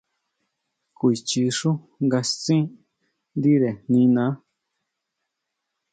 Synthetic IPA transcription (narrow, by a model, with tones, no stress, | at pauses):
kʷi˨t͡ʃi˧ʂu˦ | ŋɡa˧st͡sĩ˦ | nd̪i˦ɾe˨nĩ˧nã˨˦